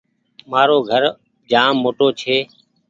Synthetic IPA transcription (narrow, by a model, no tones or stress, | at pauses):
maːɾoːɡʱəɾ | d͡ʒaːmːoːʈoːt͡ʃʰeː